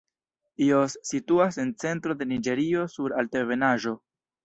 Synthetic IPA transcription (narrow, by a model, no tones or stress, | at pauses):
iosːituase̞nt͡se̞ntɾo̞de̞nid͡ʒe̞ɾio̞suɾalteve̞naʒo̞